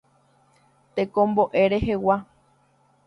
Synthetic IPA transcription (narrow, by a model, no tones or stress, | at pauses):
t̪ekõmboʔe̞ɾehewa